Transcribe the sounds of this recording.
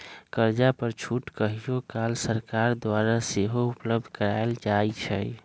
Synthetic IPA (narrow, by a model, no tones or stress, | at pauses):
kəɾd͡ʒapəɾt͡ʃʰuʈkəɦijokalsəɾkaɾd̪waɾaseɦoupləb̚d̪ʱkəɾaeld͡ʒajt͡ʃʰɛ̰